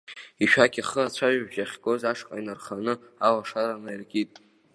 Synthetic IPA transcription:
iʃᶣaɡʲiχəat͡ɕʷʰaʒʒaχʲɡozaʂqʼa̰inarχanɨ | alaʂaɾanairɡʲitʼ

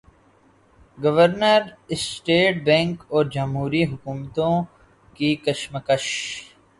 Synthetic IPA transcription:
ɡɐʋəɾnəɾɪsʈeːʈ̚bɛ̃ːŋkɔːɾd͡ʒɐmɦuːɾiɦʊkuːmt̪õ | kikəʃməkəʃ

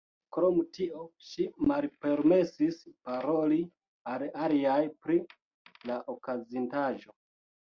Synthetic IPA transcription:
kɾo̞mtiʔo̞ʃimalpe̞ɾme̞sispaɾo̞li | alaliajpɾi | laʔokazintaʒo̞

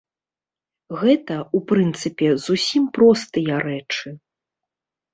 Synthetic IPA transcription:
ɣɛt̪ɐupɾɨnt̪sɨpʲɛzusʲimpɾɔst̪ɨjɐɾɛt͡ʂɨ

